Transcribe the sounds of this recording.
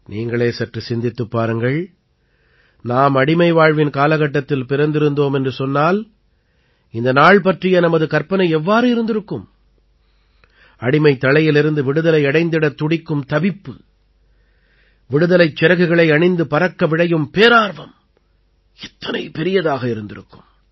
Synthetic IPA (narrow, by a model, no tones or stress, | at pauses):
niːŋɡɐɭeːsɐʈrɯsɪnd̪ɪt̪ːɯpːaːɾɯŋɡɐɭ | naːmɐɽɪmɐɪʋaːɻʋɪnkaːlɐɣɐʈːɐt̪ːɪlpɪɾɐnd̪ɪɾɯnd̪oːmɛndrɯsɔnːaːl | ɪnd̪ɐnaːɭp̬ɐʈrɪjɐnɐmɐðɯkɐɾpɐnɐɪɛʋːaːɾɯɪɾɯnd̪ɪɾɯkːɯm | ɐɽɪmɐɪt̪ːɐɭɐjɪlɪɾɯnd̪ɯʋɪɽɯðɐlɐɪɐɽɐɪnd̪ɪɽɐt̪ːʊɽɪkːɯmt̪ɐbɪpːɯ | ʋɪɽɯðɐlɐɪt͡ʃːɪɾɐɣɯɣɐɭɐɪɐɳɪnd̪ɯpɐɾɐkːɐʋɪɽɐjɯmpeːɾaːɾʋɐm | ɛt̪ːɐnɐɪpɛɾɪjɐðaːɣɐɪɾɯnd̪ɪɾɯkːɯ̥m